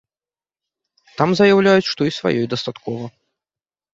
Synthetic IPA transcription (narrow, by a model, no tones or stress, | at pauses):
t̪amzɐjawlʲajut͡sʲʂt̪ɔisva̰jɔjd̪ɐst̪at̪kɔvɐ